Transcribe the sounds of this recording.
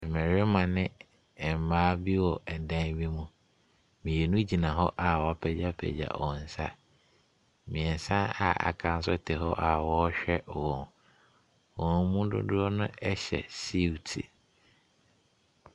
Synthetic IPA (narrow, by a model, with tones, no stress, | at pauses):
mɛ̃˨ɾɪ˦mã˨nɪ̃˦˨ | m̩˨maː˦bi˦wɔ˨ɛ˨dã˦nbĩ˦mũ˦ | mĩ˨je˨nũ˦d͡ʑi˨nã˨ɦɔ˦ʔa˨wɔ˨˦pʰɛ˨d͡ʑa˦pʰɛ̰˨d͡ʑa̰˨wɔ̃˨n̩˨sa̰˦ | mĩ˨ɛ˨n˨sã˦a̰˨a̰˨kʰã˦n˦sʊ˦tʰɛ˨ɦɔ˦ʔa˨wɔ˦ɕᶣɛ˦ʔwɔ̃˨n | wɔ̃˨n˦mũ˦dʊ̰˦dʊ˦ɔ˦nʊ̃˦ɛ˦ɕɛ̰˨si˦wtʰḭ˨